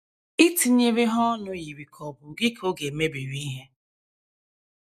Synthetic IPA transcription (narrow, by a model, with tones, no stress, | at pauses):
i˦ti˨ɲe˨ɾɪ˦ɦɔ˦nʊ˨ji˨ɾi˨kʰɔ˨bʊ˨ɡɪ˦kʰo˦ɡe˨˦me˦bi˨ɾi˦ɦe˦